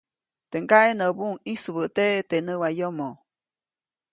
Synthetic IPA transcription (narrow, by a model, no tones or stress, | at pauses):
t̪eŋɡaʔenəbuŋisβət̪eʔt̪enəwajomo